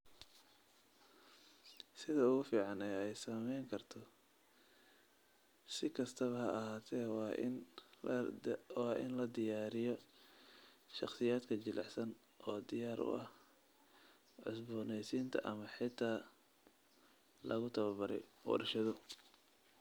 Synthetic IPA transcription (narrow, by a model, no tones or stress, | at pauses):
sɪðɐʊɣʊfiːʕɑnɛɛjsɐmɛjŋkʰɐrt̪ʰɔ | sɪkʰɐst̪ʰɐβɐhɐɐɦaːt̪ʰɛ̰ːn | wɑːʔɪ̰nlɐd̪ɪjaːɾɪjɔ | ʃɑχsɪjaːd̪kʰɐt͡ʃɪlʔɑħsɐn | ʔɔːd̪ɪjaːɾʔʊ̰ʔɐ̰h | ʕʊ̰sbʊːnɛjsiːnt̪ʰɐ̰ʔɐmɐħɪt̪ʰaː | lɐ̰ɣʊt̪ʰɐβɐbɐɾɛ̰jwɐ̰ɾɐʃɐðɔ